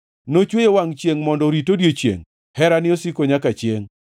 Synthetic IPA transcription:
not͡ʃwejewaŋt͡ʃjeŋmɔndɔɾitodjet͡ʃjḛŋ | hɛɾanɪosikoɲakat͡ʃjeŋ

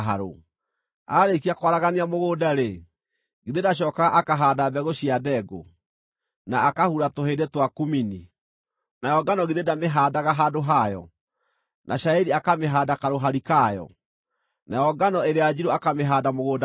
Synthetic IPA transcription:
ɦaɾo̰ | aɾek̬iakowaɾaɣaneamoɣoːdaɾe | ɡeðedaɕ̬ɔːkaɣaʔakaɦaːdabɛɣoɕiadɛɡo̰ | naːkahuɾatohedetwakumini | najɔɡanɔɣeðedameɦaːdaɣaɦadoɦajɔ̰ | nʔa̰ʃaiɾiakameɦaːdakaɾoɦaɾikajɔ̰ | najɔɡanɔeɾead͡ʑiɾoakameɦadamoɣoːda

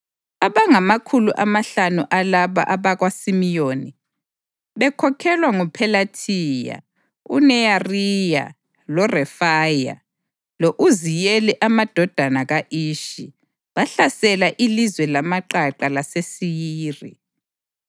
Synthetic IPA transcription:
aβaŋamakʰuluʔamaɬanuʔalaβa̰ʔaβaɣwasimijoːni | βɛkʰɔkʰɛlwaŋupʰɛlatʰija̰ | ṵnɛjarija̰ | lɔrɛfaja̰ | loʔuzijɛlɛʔamad̥ʱɔd̥ʱanaɣaʔiːʃi | βaɬasɛlaʔilizwɛlamaǃaǃalasesijiːri

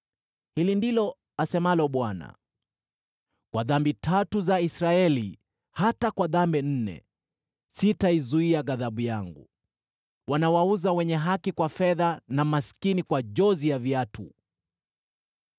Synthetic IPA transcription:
hilindilɔ | asɛmalɔɓwana̰ | kwaðambitʰatuzaisɾaɛli | hatakwaðambɛn̩nɛ̰ | sitaizuiaɣaðaɓujaŋɡṵ | wanawauzawɛɲɛɦakikwafɛðanamaskinikwaʄɔzijavjatṵ

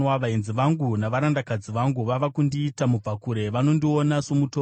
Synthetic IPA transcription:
waʋainziʋaŋɡunaʋaɾandakad͡ziʋaŋɡuʋaʋakundiːtamub͡vakuɾe̞ʋano̞ndio̞naso̞mutoː

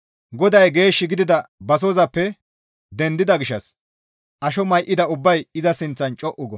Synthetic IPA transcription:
ɡɔd̪ɐjɡe̞ːʃːɪɡɪd̪ɪd̪ɐbɐs̬oːzɐpːɛ | d̪ɛnd̪ɪd̪ɐɡɪʃːɐs | ʔɐʃɔmɐjʔɪd̪ɐʊbːɐjɪzɐsɪnt͡sːɐnt͡ʃʼɔʔʊɡɔ

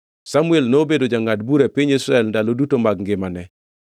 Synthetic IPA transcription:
samuelnobedod͡ʒaŋatbuɾapiɲesɾɛlndalodutomaɡŋɡɪmanɛ

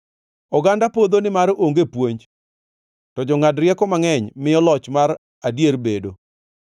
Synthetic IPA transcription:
ɔɡandapod̪onɪmaɾoŋɡepwoɲd͡ʒ | tɔd͡ʒɔŋadɾjɛkɔmaŋɛɲmɪjɔlɔt͡ʃmaɾ | adjerbedo

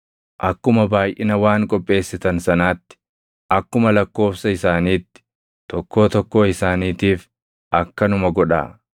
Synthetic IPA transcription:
ʔɐkːʊmɐbaːjʔɪnɐwaːŋkʼɔpʼːe̞ːsːɪt̪ɐnsɐnaːt̪ːɪ̥ | ʔɐkːʊmɐlɐkːo̞ːfsɐɪsaːniːt̪ːɪ̥ | t̪ɔkːo̞ːt̪ɔkːo̞ːɪsaːniːt̪iːf | ʔɐkːɐnʊmɐɡɔᶑa̰ː

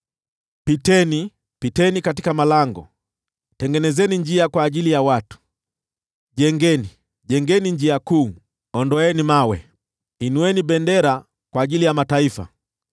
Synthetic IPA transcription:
pitɛni | pitɛnikatikamalaŋɡɔ̰ | tɛŋɡɛnɛzɛniɲd͡ʒiakwaːʄilijawatu̥ | ʄɛŋɡɛni | ʄɛŋɡɛniɲd͡ʒiakuː | ɔndɔɛnimawɛ̰ | inuwɛniɓɛndɛɾa | kwaːʄilijamataifa̰

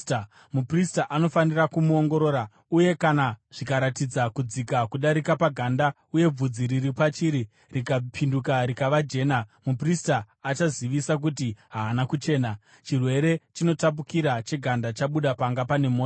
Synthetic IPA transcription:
mupristaʔano̞fanirakumuo̞ŋɡo̞ɾo̞ːɾa | uje̞kanaʐ̥ikaɾatid͡zakud͡zikakuɗaɾikapaɡʱanda | uje̞b͡vud͡ziɾiripat͡ʃiɾi | rikapʰindukaɾikaʋad͡ʒe̞ːnamupristaː | t͡ʃaziʋisak̬utiɦaːnakut͡ʃe̞ːna | t͡ʃirwe̞ɾe̞t͡ʃino̞tap̬ukiɾat͡ʃe̞ɡʱandat͡ʃaɓuɗapaŋɡapane̞moː

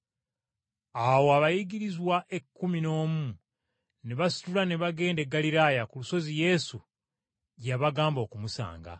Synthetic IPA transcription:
awoaβajiɡiɾizwaʔe̞kːumino̞ːmu | neβasi̥tulaneβaɡe̞ːnde̞ɡːaliɾaːjakuluso̞zije̞su | jaβaɡaːmbo̞ːkumusa̰ːŋɡa̰

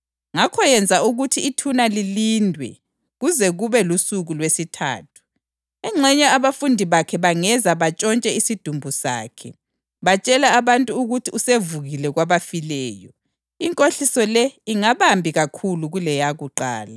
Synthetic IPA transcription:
ŋakʰɔjɛnd͡zʱauɣutʰiːtʰunalilindʱwɛ̰ | ɣuzɛɣuβɛlusuɣulwesitʰa̰ːtʰu̥ | ɛŋ͡ǁʱɛɲɛaβafundʱiβakʰɛβaŋɛzaβat͡ʃʼɔnt͡ʃʼɛisid̥ʱumbʱusa̰ːkʰɛ̰ | βat͡ʃʼɛlaːβantʼuuɣutʰiusevuɣilɛɣwaβafilɛːjɔ | iŋkʼoɬisɔlɛiŋaβambʱiɣakʰuluɣulɛjaɣuǃa̰ːla

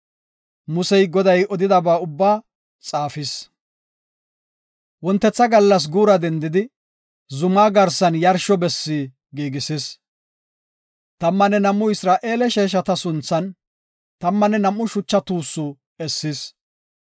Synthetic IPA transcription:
mʊsɛjɡɔd̪ɐjɔd̪ɪd̪ɐbaːʊbːaː | t͡sʼaːfɪs | wɔnt̪ːɛt͡sːɐɡɐlːɐs̬ɡuːɾɐd̪ɛnd̪ɪd̪ɪ | zʊmaːɡɐɾsːɐnjɐɾʃɔbɛsːiː | ɡiːɡɪsɪs | t̪ɐmːɐnɛnɐmːʊɪsɾaːʔeːlɛʃeːʃ̬ɐt̪ɐsʊnt͡sːɐn | t̪ɐmːɐnɛnɐmːʊʃʊt͡ʃːɐt̪uːsːʊ | ɛsːɪs

